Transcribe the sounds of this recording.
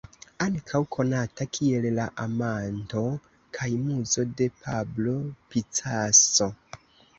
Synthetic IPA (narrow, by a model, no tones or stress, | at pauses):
aŋkʰawkʰo̞natakʰie̞llaʔamanto̞ | kʰajmuzo̞de̞pʰablo̞pit͡saso̞